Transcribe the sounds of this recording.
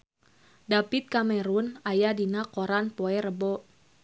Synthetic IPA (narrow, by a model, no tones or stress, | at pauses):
dapit̪̚kamɛɾunajadinakoɾanpɔɛɾəbɔ